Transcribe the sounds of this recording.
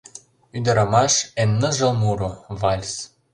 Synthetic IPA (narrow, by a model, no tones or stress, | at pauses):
yd̪ɤ̆ɾɑmɑʃenːɤ̆ʒɤ̆lˠmuɾovɑlʲs